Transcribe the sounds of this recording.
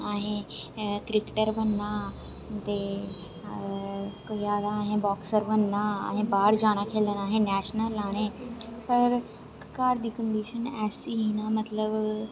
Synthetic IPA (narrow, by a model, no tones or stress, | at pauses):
aːɦẽkɾɪkʈəɾʋənːãː | t̪e | koiaːd̪aːɦẽbɔːksəɾʋənːã̰ːɦẽːbaːɽd͡ʒaːɽ̃akʰeːlənaːɦẽnɛːʃnəlaːɽ̃ẽːpɐɾ | kaːɾd̪iːkə̃ɳɖiːʃənɛːsiɦinãːmɐt̪ləb